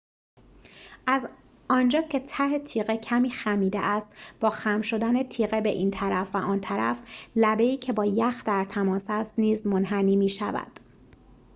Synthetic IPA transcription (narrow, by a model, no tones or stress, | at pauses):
ʔæz | ɒːnd͡ʒɒːcʰe̞t̪ʰæhe̞t̪ʰiːɣecʰæmiːxæmiːd̪ḛʔæst̪b̥ɒːxæmʃo̞d̪æne̞t̪ʰiːɣebe̞ʔiːnt̪ʰæɾæfvæʔɒːnt̪ʰæɾæ̰flæbe̞iːcʰe̞bɒːjæxd̪æɾt̪ʰæmɒːsæst̪niːzmonɦæniːmiːʃæ̰væ̰d̪̥